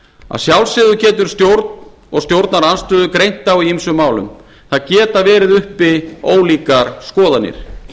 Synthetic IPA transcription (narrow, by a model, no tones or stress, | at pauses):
a̰ðsjawlsɪðʏcɛːt̪ʏɾ̥st̪jowɾt̪n | ɔɣst̪jowɾt̪naɾanst̪ʏːðʏkɾejn̥t̪awiimsʏmːaːwlʏ̰m | θaðcɛːt̪avɛːɾɪðʏhpɪoːwliːkaɾ̥skɔːðanːɪ̰ɾ̥